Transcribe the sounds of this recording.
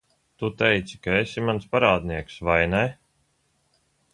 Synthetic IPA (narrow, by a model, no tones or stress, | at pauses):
t̪ut̪ɛjt̪si̥kaesʲimanspaɾaːd̪niɛksvajnɛ